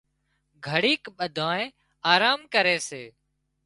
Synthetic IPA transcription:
ɡʱəɽiːkɓəd̪ʱãːẽː | aːɾaːmkəɾeːseː

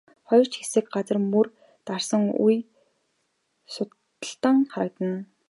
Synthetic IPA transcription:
χɔjɞ̆r̥t͡ɕxesɘ̆k̚ɢat͡sə̆rmɵr | t̪arsə̆ŋṵj | sʊt̪ | ə̆ɬt̪ə̆ŋχaɾə̆k̚t̪ə̆n

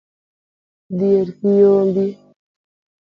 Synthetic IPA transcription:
dieɾkijoːmbi

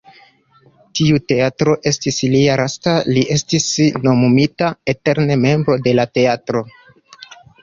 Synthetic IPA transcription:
tiute̞atɾo̞ʔe̞stisliaɾastaliʔe̞stisno̞mumitae̞te̞ɾne̞me̞mbɾo̞de̞late̞atɾo̞

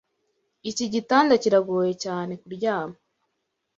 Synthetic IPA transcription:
iciɟitaːndaciɾaɡoːjecaːne̞kuɾɟaːmo

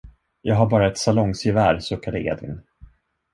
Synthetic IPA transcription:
jɑːɡɦaɾbɑːɾaɛt̪salɔŋsɪvæːɾsɵkːad̪əʔḛːd̪vɪ̰n

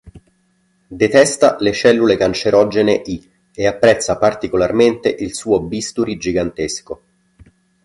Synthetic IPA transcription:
d̪et̪ɛst̪a̰let͡ʃɛlːulekant͡ʃeɾʔɔd͡ʒeneʔi | eapːɾɛt̪sːapart̪ikolarment̪eʔilsuːobist̪uɾid͡ʒiɡant̪esko

